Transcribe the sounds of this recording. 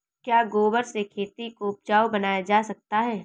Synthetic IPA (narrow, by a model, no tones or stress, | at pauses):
kjaːɡoːbəɾsekʰeːt̪ikoʊp̚d͡ʒaːwbɐnaːjad͡ʒaːsɐk̚t̪aɦɛː